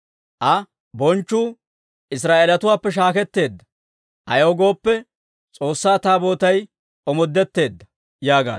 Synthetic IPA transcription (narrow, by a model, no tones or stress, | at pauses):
ʔɐ | bɔnt͡ʃːuː | ʔɪs̬ɾaːʔelɐt̪ʊwaːpːɛʃ̬aːkɛt̪ːe̞ːd̪ːɐ̥ | ʔɐjoːɡo̞ːpːɛ | t͡sʼo̞ːsːaːt̪aːbo̞ːt̪ɐj | ʔɔmɔd̪ːɛt̪ːe̞ːd̪ːɐ | jaːɡa̰ː